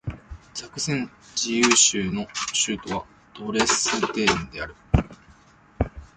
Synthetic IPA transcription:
t͡ɕakɯ̟sẽ̞n | d͡ʑijɯːɕɨːno̞ɕɨːt̪o̞βa | d̪̥o̞ːɾe̞sɨt̪e̞ːĩnd̪e̞aɾɯ̟

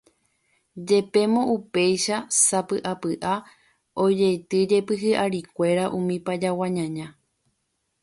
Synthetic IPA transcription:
d͡ʒe̞pe̞mõʔupe̞jʃasapɨʔapɨʔa | o̞d͡ʒejt̪ɨd͡ʒe̞pɨɦɨʔaɾikʷe̞ɾaʔũmĩpad͡ʒawãɲãɲã

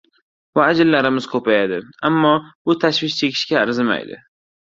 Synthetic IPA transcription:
vaːd͡ʒɪlːaɾɪmɪz̥kʰɵpajad̪ɪamːɒbʊt̪ʰaʃvɪʃt͡ʃʰe̞kʲʰɪ̥ʃkʲaːɾzɪma̰jd̪ɪ̰

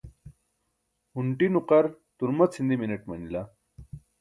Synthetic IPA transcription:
huɳʈinuqɐɾt̪uɾmɐt͡sʰind̪imineʈmɐnila

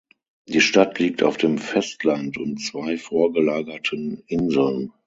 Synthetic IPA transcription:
d̥iːʃtatliːk̚ta̰ʊfd̥eːmfɛstʰlantʊntt͡sv̥aɪfoːɐɡəlaːɡɐtʰənʔɪnzl̩n

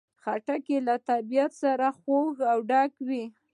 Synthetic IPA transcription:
xaʈakelat̪abijat̪saɾaxoɣawɖɑkwi

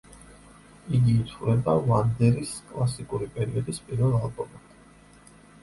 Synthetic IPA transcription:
iɡiːt̪ʰuɾɛbavand̪ɛɾiskʼlˠasikʼuɾipʼɛɾiɔd̪ispʼiɾvɛlˠalˠbɔmat̪

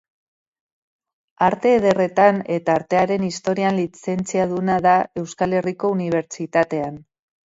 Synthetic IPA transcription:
aɾt̪e̞ːðe̞re̞t̪ane̞t̪aːɾt̪e̞aɾe̞nist̪o̞ɾianlit͡se̞nt͡siaðunaðae̞wskale̞riko̞uniβ̞e̞ɾt͡ʃit̪at̪e̞an

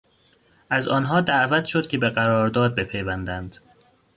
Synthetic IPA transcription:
ʔæzɒːnɦɒːd̪æʔvæt̪ʃod̪̥cʰʲe̞beɢæɾɒːɾd̪ɒːd̪̚be̞pʰejvænd̪ænd̪̥

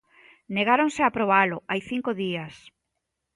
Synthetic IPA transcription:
neɣaɾoŋsɪapɾoβalʊajθiŋkoðias

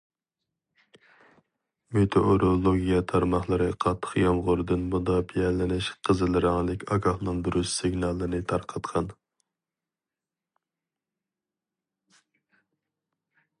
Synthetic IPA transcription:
met̪ʰoʔoɾolˠoɡʲijɛt̪ʰɑɾmɑχlˠɨɾɨqʰɑt̪ʰːə̥χjɑmʁʊɾɨd̪ɨnbud̪ɑpʰijɛlɪnɪʃqʰəzɨlˠɨɾɑŋlˠɪkʲɑɡɑχnɨŋb̪ʊɾyssɪɡnɑlˠːɨnɨt̪ʰɑɾqʰɑt̪qʰɑn

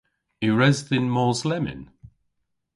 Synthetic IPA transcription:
iɹɛzðɪnmɔzlɛmɪ̰n

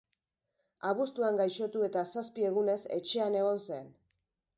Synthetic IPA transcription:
aβust̪uaŋɡajʃo̞t̪ue̞t̪asaspie̞ɣ̞une̞se̞̰t͡ʃe̞ane̞ɣ̞o̞nsen

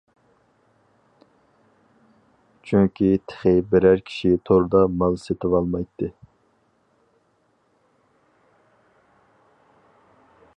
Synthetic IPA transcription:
t͡ʃʰyŋkʲit̪ʰɪ̥χɪbɪɾæɾkʲʰi̥ʃit̪ʰoɾd̪ɑmɑlˠset̪ʰɪvɑlˠmɑjt̪ʰːɨ

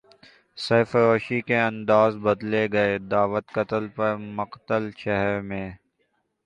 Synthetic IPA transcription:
seːfɾoːʃikeɐ̃nd̪aːzbɐd̪leɡɐed̪aːʋət̪kɐt̪əlpɐɾmʊqt̪əlʃɛɦɾmẽː

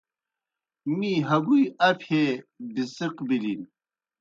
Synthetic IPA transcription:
miɦɐɡujɐpʰebisiqbilin

